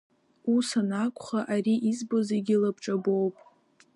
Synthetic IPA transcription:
usanakʷʰʼχaʔaɾiʔizbozeɡʲilabʈ͡ʂʼabo̞wpʼ

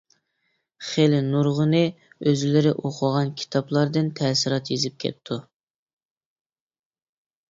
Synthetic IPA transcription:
χelɪnuɾʁənɨøzlɪɾɪʔoqʰʊʁɑnkʲʰi̥t̪ʰɑplˠɑɾd̪ɨnt̪ʰɛːsɪɾɑt̪jezɪp̚kʲʰɛ̰t̪ʰːu

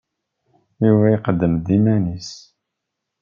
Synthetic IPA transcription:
juvæiqəd̪ːəmd̪imænis

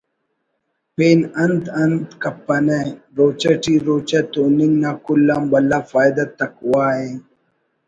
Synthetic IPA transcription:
peːnɐnd̪ɐnd̪kɐpːɐneɾoːt͡ʃɐʈiɾoːt͡ɕɐt̪oːniŋnaːkulːambɐlːaːfaːjd̪ɐt̪ɐkwaːe

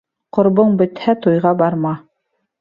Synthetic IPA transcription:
qŏɾβɤɴbɵ̆t̪hæt̪ojʁɑbɑɾmɑ

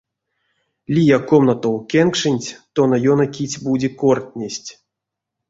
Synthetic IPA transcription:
lʲijakomnɐt̪owkʲeŋkʂɨnʲtʲt̪onɐjonɐkʲit͡sʲbudʲikort̪ʲnʲesʲtʲ

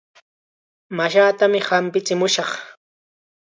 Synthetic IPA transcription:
maʃaːt̪amɪhampɪt͡sɪmʊʃɑχ

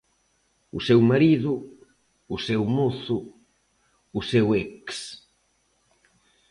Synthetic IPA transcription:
usewmaɾiðʊː | sewmoθʊ | seweks

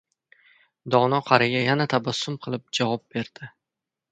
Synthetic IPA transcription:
d̪ɒnɒqʰɑɾɪɡʲajanat̪ʰabasːʊmqʰɨlˠɪp̚d͡ʒavɒp̚be̞ɾd̪̥ɪ

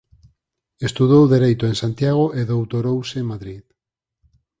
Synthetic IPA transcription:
est̪uðowðeɾejt̪oensant̪jaɣ̞oʔeðowt̪oɾowsemaðɾið

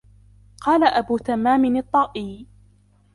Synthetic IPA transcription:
qʰɑːlaʔabuːt̪amːaːmɪnɨt̪ˤːɑːʔiː

